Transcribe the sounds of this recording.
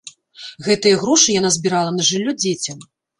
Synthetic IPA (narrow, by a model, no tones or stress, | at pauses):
ɣɛt̪ɨjɐɣɾɔʂɨjan̪azʲbʲiɾalˠɐnɐʐɨlʲːɔd͡zʲet͡sʲɐm